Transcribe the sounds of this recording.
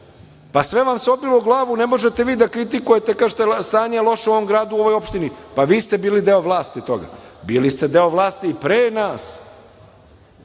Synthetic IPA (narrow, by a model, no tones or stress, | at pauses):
pasʋe̞ʋamseo̞bilouɡlˠaːʋune̞mo̞ʒet̪e̞ʋiːd̪akɾit̪ikujet̪ekaːʒet̪est̪aːɲalˠo̞ʃauoʋomɡɾaːd̪uo̞ʋo̞jo̞pʃt̪inipaʋiːst̪e̞biːlid̪eoʋlˠaːst̪it̪o̞̰ɡa̰biːlist̪e̞d̪e̞o̞ʋlˠaːst̪iːpɾeːnaːs